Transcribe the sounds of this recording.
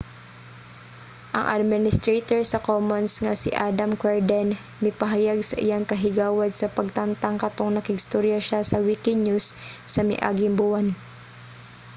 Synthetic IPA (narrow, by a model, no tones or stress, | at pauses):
ʔɐ̰ŋʔa̰d̪̚mɪnɪst̪ɾet̪oɹsɐkomonsŋasɪʔad̪amkwɛɹd̪ɛn | mɪpɐɦajaɡsɐ̰ʔɪjaŋkɐɦɪɡaːwad̪̚sɐpɐɡ̚t̪ant̪aŋkat̪oŋnɐkɪɡst̪oɾjaʃasɐwikɪɲusːɐmɪ̰ʔa̰ːɡɪmbʊwan